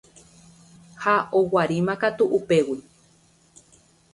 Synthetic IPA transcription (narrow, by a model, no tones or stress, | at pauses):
haowaɾimãkat̪uʔːpe̞wi